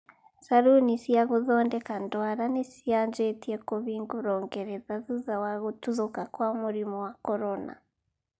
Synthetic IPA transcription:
saɾunisijaɣuðoːndekandwaɾanesijaːnd͡ʒetiekoβiːŋɡuɾoːŋɡeɾeðazuðawaɣutuðukakwamuɾimowakoɾona̰

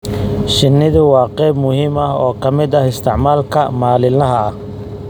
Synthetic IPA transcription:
ʃɪnːɪðʊwɑːqɛjbmʊhiːmɐɦɔːkʰɐmɪd̪ɐhɪst̪ʰɪʕmaːlkʰɐmaːlɪlɐɦɐɐh

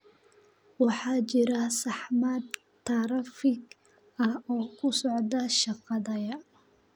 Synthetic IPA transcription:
wɑħɑːt͡ʃɪɾɐsɑħmad̪ | t̪ʰɐɾɐfɪɡ | ɐhɔːkʰʊsɔʕd̪ɐʃɑqɑðɐjɐ

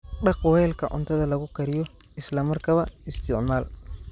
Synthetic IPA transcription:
ɖɑqwɛlkʰɐʔɔ̰nt̪ʰɐðɐlɐɣʊkɐɾɪjɔ | ɪslɐmɐrkʰɐβɐɪst̪ɪɔnaːl

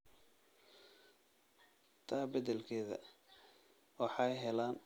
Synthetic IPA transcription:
t̪ʰaːbɐðɛlkʰɛːðɐ̰ | wɑħɑjɦɛlaːn

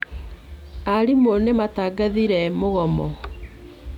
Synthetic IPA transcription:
aɾimonemataɡaðiɾɛmoɣɔmɔ

